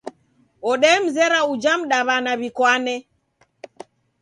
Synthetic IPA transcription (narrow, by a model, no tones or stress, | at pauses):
ɔɗɛm̩zɛɾaud͡ʒam̩ɗaβanaβikwanɛ